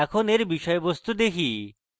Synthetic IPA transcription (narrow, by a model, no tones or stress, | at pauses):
ɛkʰoneɾbiʃɔebost̪ud̪ekʰi